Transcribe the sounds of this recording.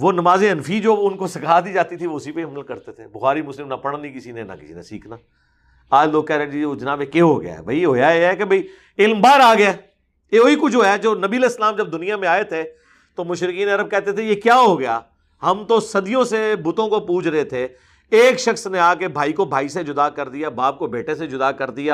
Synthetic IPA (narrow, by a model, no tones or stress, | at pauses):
ʋoːnɐmaːzẽənfid͡ʒoːʊnkosɪkaːd̪id͡ʒaːt̪it̪ʰiʋoʊsipeiɐmlkɐɾt̪et̪ʰḛːbʊxaːɾimʊslɪmnɐpɐɽ̃nikɪsinenɐ̰kɪ̥sḭːnḛsḭːkʰnaː | aːd͡ʒloːɡ̚kɛːɾẽːd͡ʒid͡ʒɐnaːbekeɦoɡɐja̰ːɦɛ̰bʱɐiɦoːjaeɦɛkebʱɐiː | ɪlmbaːɾaːɡɐjaː | jeoːikʊt͡ʃʰoːɦɛd͡ʒoːnɐbiəleɪslaːmd͡ʒɐb̚d̪ʊnijamẽaːet̪ʰe | t̪omʊʃɾɪkiːnɐɾəb̚kɛːɦt̪et̪ʰejekjaːɦoɡɐja̰ː | ɦɐmt̪osɐd̪ijõsebʊt̪õkopuːd͡ʒɾɐɦet̪ʰe | eːkʃɐxsneaːkebʱaːikobʱaːised͡ʒʊd̪akɐɾd̪ɪjaːbaːp̚kobeːʈesed͡ʒʊd̪aːkɐɾd̪ɪjaː